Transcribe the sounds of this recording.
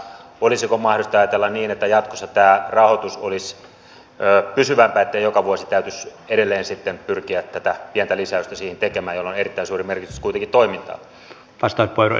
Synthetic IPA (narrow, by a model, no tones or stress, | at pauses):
olisikomɑhdost̪ɑjɑt̪elːɑnniːnet̪ːæjɑt̪kosːɑt̪æːrɑhot̪usolisː | pysyʋæmpæet̪ːeijokɑʋuosit̪æyt̪yseɾelːeːnsit̪ːempyrkiæt̪t̪ːæt̪æpiɛnt̪ælisæyst̪æsiːhent̪ekemæːjolːonerit̪ːæinsuːrimerkit̪yskuit̪eŋkit̪t̪oimint̪ɑ̰ː | ʋɑst̪ɑˑut̪poiro̰